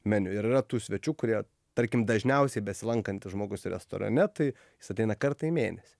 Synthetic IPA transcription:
mʲɛnʲʊɪɾɪrɐt̪uːsʲʋʲɛt͡ʃʲuːkʊɾʲiɛ | t̪ɐɾʲkʲɪmd̪ɐʒʲnʲɛʊsʲɛɪbʲɛsʲɪlˠɐŋkɐnʲt̪ʲɪʒmoːɡʊsɾʲɛ̰st̪o̰ːɾɐ̰nʲɛt̪ɐɪ | jɪsɐt̪ʲɛɪnɐkɐɾt̪ɐimʲḛːnʲɛsʲi̥

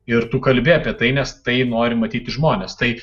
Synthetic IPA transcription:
ɪɾt̪ukɐlʲbʲɪɐpʲiɛt̪ɐɪnʲɛst̪ɐɪnoːɾʲɪmɐt̪ʲiːt̪ʲɪʒmoːnʲest̪ɐɪ

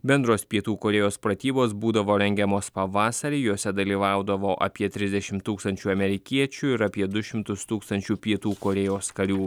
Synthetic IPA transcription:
bʲɛnd̪ɾoːspʲiɛt̪uːkoːɾʲɛːjoːspɾɐt̪ʲiːboːsbuːd̪ɐʋoːɾʲɛŋʲɡʲɛmoːspɐʋɑːsɐɾʲiːjuːsʲɛd̪ɐlʲiːʋɑˑʊd̪ɐʋoːʔɐ̰pʲiɛt̪ʲɾʲɪzʲd̪ʲɛʃʲɪmt̪ːuːkst̪ɐnʲt͡ʃʲuːɐmʲɛɾʲɪkʲiɛt͡ʃʲuːɪɾɐpʲiɛd̪ʊʃʲɪmt̪ʊst̪uːkst̪ɐnʲt͡ʃʲuːpʲiɛt̪uːkoːɾʲɛjoːskɐɾʲuː

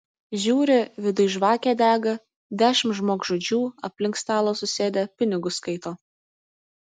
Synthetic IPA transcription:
ʒʲuːɾʲɪʋʲɪd̪ʊɪʒʋɑːkʲæːd̪ʲæːɡɐ | d̪ʲæːʃʲɪmʒmoːkʒod͡ʒʲuːɐpʲlʲɪŋkst̪ɑːlˠoːsʊsʲeːd̪ʲepʲɪnʲɪɡʊskɐɪt̪oː

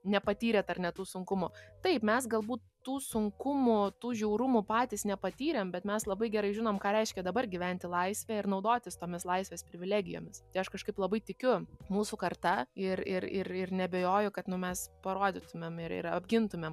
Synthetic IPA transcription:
nʲɛpɐt̪ʲiːɾʲɛt̪ɐrnʲɛt̪uːsʊŋkʊmʊt̪ɐɪpmʲɛsɡɐlˠbuːt̪tuːsʊŋkʊmʊt̪uːʒʲuːɾʊmʊpɑːt̪ʲisnʲɛpɐt̪ʲiːɾʲɛmbʲɛt̪mʲɛslˠɐbɐɪɡʲɛɾɐɪʒʲɪnoːmkɑːɾʲɛɪʃʲkʲɛd̪ɐbɐɾɡʲiʋʲænʲt̪ʲɪlˠɐɪsʲʋʲæɪɾnɒʊd̪oːt̪ʲɪst̪oːmʲɪslˠɐɪsʲʋʲeːspʲɾʲɪʋʲɪlʲæːɡʲɪjo̰ːmʲɪst̪ɐɪɐʃkɐʃkɐɪplˠɐbɐɪt̪ʲɪkʲʊmuːsukɐrt̪ɐɪɾɪɾɪɾɪrnʲɛbʲeːjoːjʊkɐt̪nʊmʲɛspɐɾoːd̪ʲɪt̪ʊmʲemɪ̰ɾɪ̰ɾɐ̰bʲɡʲɪnt̪ʊmʲem

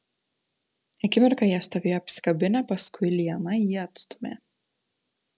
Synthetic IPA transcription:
ɛkʲimɛɾkajast̪aviapskabinapaskuilijamaiat̪st̪mɛ̰

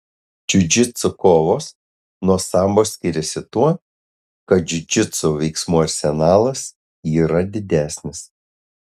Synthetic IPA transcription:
d͡ʒʲʊd͡ʒʲɪt̪sokoːʋoːs | nuɔsɐˑmboːsʲkʲɪɾʲɛsʲɪt̪uɔ | kɐt̪̚d͡ʒʲʊd͡ʒʲɪt̪soʋʲɛɪksmuɐɾʲsʲɛnɑːlˠɐs | iːɾɐd̪ʲɪd̪ʲæːsʲnʲɪs

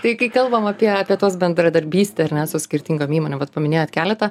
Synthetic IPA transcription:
t̪ɐɪkɐɪkɐlˠbɐmɐpʲiɛɐpʲiɛt̪oːsbʲɛnd̪ɾɐd̪ɐɾʲbʲiːsʲt̪ʲeɐɾʲnʲɛsʊsʲkʲɪɾʲt̪ʲiŋɡoːmiːmoːnʲoːʋɐt̪pɐmʲɪnʲeːjoːt̪ʲkʲæːlʲɛt̪ɐ

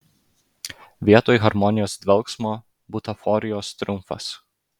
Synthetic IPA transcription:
ʋʲiɛt̪oːjɣɐɾmɔnʲɪjoːsd̪ʲʋʲɛlˠksmoː | bʊt̪ɐfɔɾʲɪjoːst̪ʲɾʊmfɐ̰s

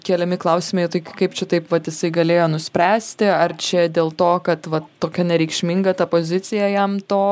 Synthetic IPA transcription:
kʲeːlʲɛmʲɪklˠɐʊsʲɪmʲeɪt̪ɐɪkɐɪpt͡ʃʲɛt̪ɐɪpʋɐt̪jɪsɐɪɡɐlʲeːjoːnʊsʲpʲɾʲæːsʲt̪ʲɪɐrt͡ʃʲɛd̪ʲeːlˠt̪oːkɐt̪ʋɐt̪oːkʲɛnʲɛɾʲɛɪkʃʲmʲɪŋɡɐt̪ɐpoːzʲɪt̪t͡s̪ʲɪjɛjɛmt̪oː

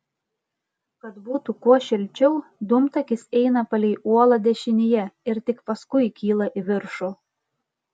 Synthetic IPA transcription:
kɐt̪buːt̪ukuɔʃʲɪlʲt͡ʃʲɛʊd̪ʊmt̪ɐkʲɪsɛɪnɐpɐlʲɛɪʔuɔlˠɐd̪ʲɛʃʲɪnʲɪjɛɪɾt̪ʲɪkpɐskʊɪkʲiːlˠɐʔiʋʲɪɾʃo

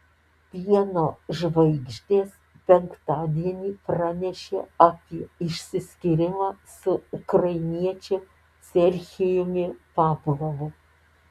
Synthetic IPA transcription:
pʲiɛnoːʒʋɐɪɡʒʲd̪ʲeːs | pʲɛŋkt̪ɑːd̪ʲiɛnʲiːpɾɑnʲɛʃʲeːɐpʲiɛɪʃʲsʲɪsʲkʲɪɾʲɪmɑːsʊʊkɾɐɪnʲiɛt͡ʃʲe | sʲɛɾʲxʲɪjoːmʲɪpɑːplˠoʋʊ

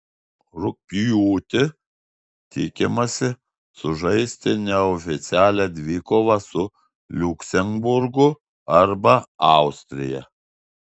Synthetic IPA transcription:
ɾʊpʲjuːt̪ʲɪ | t̪ʲiːkʲɪmɐsʲɪ | sʊʒɐɪsʲt̪ʲɪnʲɛɔfʲɪt̪sʲæːlʲæd̪ʲʋʲiːkoːʋɐsʊ | lʲʊksʲɛŋbʊɾɡʊ | ɐɾbɐɑˑʊsʲt̪ʲɾʲɪ̰jɛ̰

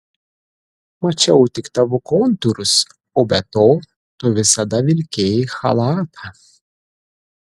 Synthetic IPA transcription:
mɐt͡ʃʲɛʊt̪ʲɪkt̪ɐʋʊkɔnt̪ʊɾʊs | oːbʲɛt̪oː | t̪ʊʋʲɪsɐd̪ɐʋʲɪlʲkʲeːjxɐ̰lˠɑːt̪ʰɐ

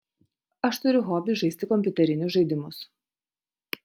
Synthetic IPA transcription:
ɐʃt̪ʊɾʲʊɣoːbʲɪʒɐɪsʲt̪ʲɪkɔmʲpʲʊt̪ʲɛɾʲɪnʲʊsʒɐɪd̪ʲɪmʊs

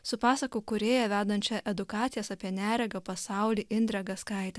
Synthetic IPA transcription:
sʊpɑːsɐkoːkʊɾʲeːjɛʋʲæːd̪ɐnʲt͡ʃʲɛʔɛd̪ʊkɑːt̪sʲɪjɛsɑːpʲiɛnʲæːɾʲɛɡɐpɐsɑˑʊlʲiːʔɪnʲd̪ʲɾʲɛɡɐskɐˑɪt̪ʲɛ

